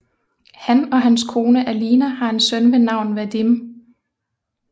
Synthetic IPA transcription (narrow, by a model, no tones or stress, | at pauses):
hænɒ̽ɦænskʰo̝ːnəʔæliːnæhɑ̈e̝nsœnʋenɑ̈ʊ̰nʋæd̥im